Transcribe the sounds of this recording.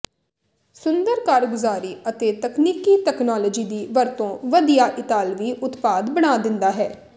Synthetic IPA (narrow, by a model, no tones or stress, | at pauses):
sʊnd̪əɾkaːɾɡʊzaːɾiːət̪eːt̪əkniːkiːt̪ɛːknaːlɔːd͡ʒiːd̪iːʋəɾt̪õːʋəd̪ijaːʔɪt̪aːlʋiːʔʊt̪paːd̪bəɽ̃aːd̪ɪ̃nd̪aːɦɛː